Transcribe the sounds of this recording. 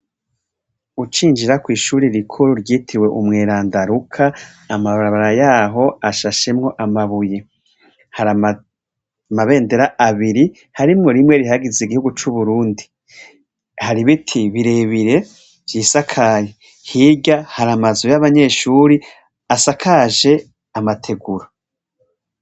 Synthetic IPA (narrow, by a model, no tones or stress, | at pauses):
ut͡ʃiːnd͡ʒiɾakwiːʃuːɾiɾikʰoɾuɾɟiːtʰiwe̞ʔumŋeːɾaːndaɾukʰaː | maβaɾaβaɾajaːɦo̞aʃaʃemŋo̞ʔamaβuje̞ | haɾa | maβe̞ːnde̞ɾaʔaβiɾi | haɾimŋo̞ɾimŋe̞ɾihaɡiziɡihuɡut͡ʃuβuɾuːndi | haɾiβitʰiβiɾe̞ːβiɾe̞ | vjiːsakʰaje | hiːɟahaɾamazujaβaɲe̞ːʃuːɾi | asakʰaʒe̞ | amatʰe̞ɡuɾa